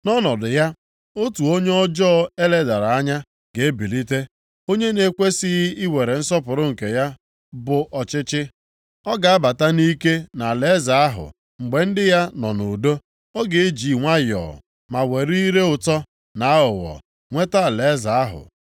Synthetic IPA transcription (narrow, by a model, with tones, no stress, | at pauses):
nɔ˦nɔ˨dʊ˨ja˦ | o˦tu˨o˦ɲe˦ɔ˦d͡ʒɔː˦e˦le˨da˨ɾa˨a˦ɲa˦ | ɡe˨e˦bi˨li˦te˦ | o˦ɲe˦ne˨˦kʷe˦si˦ɣi˦we˨ɾe˨n̩˦sɔ˦pʊ˨ɾʊ˦ŋ̩˨ke˨ja˦ | bʊ˨ʔɔ˨t͡ʃɪ˦t͡ʃɪ˦ | ɔ˦ɡa˨a˦ba˨ta˦ni˦ke˦na˨le˦za˨a˦ɦʊ̰˨ | ŋ͡m̩˨ɡ͡be˨n̩˦dɪ˦ja˦nɔ˨no˨do˦ | ɔ˦ɡe˨e˦d͡ʒi˨ŋʷa˦jɔ̰˨ | ma˨we˨ɾi˦i˦ɾe˦ʊ˨tɔ˦ | na˨a˦ʊ˨wɔ̰˨ | ŋʷe˦ta˦a˨le˨˦za˨a˦ɦʊ̰˨